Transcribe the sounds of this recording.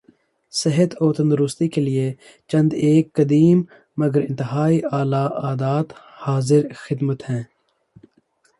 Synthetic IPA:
sɪɦət̪oːɾt̪ɐ̃nd̪ɾʊst̪ikelie | t͡ʃɐ̃nd̪eːkːɐd̪iːmː | ɐɡəɾɪ̃nt̪ɪɦaːiaːlaaːd̪aːt̪ | haːzɪɾxɪd̪mət̪hɛ̃ː

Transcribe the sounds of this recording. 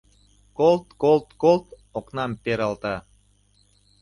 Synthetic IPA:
kolˠt̪kolˠt̪kolˠt̪ | oknɑmpeɾɑlt̪ɑ

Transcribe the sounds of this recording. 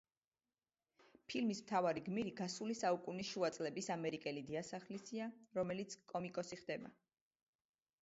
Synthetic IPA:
pʰilmismt̪ʰavaɾiɡmiɾiɡasulisaukʼunisʃuat̪sʼlɛbisamɛɾikʼɛlid̪iasaχlisiaɾɔmɛlit̪sʰkʼɔmikʼɔsiχd̪ɛba

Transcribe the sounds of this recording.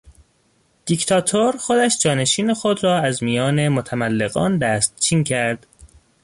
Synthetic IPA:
d̪̥ikt̪ʰɒːt̪ʰoɾxo̞d̪æʃd͡ʒɒːne̞ʃiːne̞xo̞d̪ɾɒːæzmijɒːne̞mot̪ʰæmælːeɣɒ̰ːnd̪æst̪̚t͡ʃʰiːŋcʰæɾd̪̥

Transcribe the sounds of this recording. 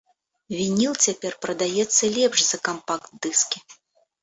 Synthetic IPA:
vʲinʲilˠt͡sʲapʲɛrpɾɐd̪ajɛt̪sːɐlʲɛpʂzɐkampakt̪̚d̪ɨskʲi

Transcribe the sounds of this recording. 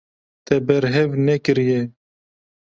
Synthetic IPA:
t̪ɛbɛɾɦɛvnɛkɨɾje

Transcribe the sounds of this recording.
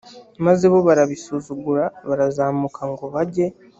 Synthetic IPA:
mazeβo̞βaɾaβisuzuɡuɾaβaɾazaːmukʰaŋɡoβaɟe̞

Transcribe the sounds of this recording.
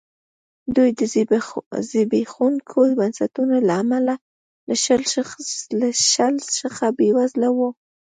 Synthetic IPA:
d̪ujd̪ə | zɪbexunkʰojbansat̪unalaːmala | laʃəl | laʃəlʃəxabewazlawu

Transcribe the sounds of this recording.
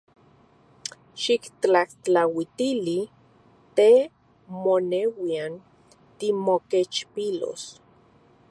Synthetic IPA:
ʃikt͡ɬaht͡ɬawit̪ili | t̪e | monewian | t̪imoket͡ʃpilo̰s

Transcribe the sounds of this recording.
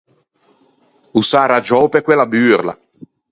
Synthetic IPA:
usaːɾad͡ʒɔːpekwelabyːrla̰

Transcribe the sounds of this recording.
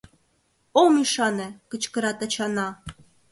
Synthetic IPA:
omiʂɑnekət͡ʃkə̆ɾɑt̪at͡ɕʰɑnɑ

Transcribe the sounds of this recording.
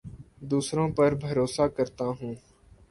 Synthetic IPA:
d̪uːsɾõːpəɾbʱəɾoːsaːkəɾt̪aːɦũː

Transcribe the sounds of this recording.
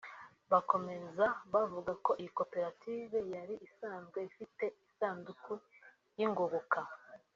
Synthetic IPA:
βako̞me̞zaβavuɡako̞ʔijiko̞pe̞ɾatʰiːve̞jaɾiʔisaːnzɡwe̞ifite̞isaːnduku | jiŋɡoɡuka

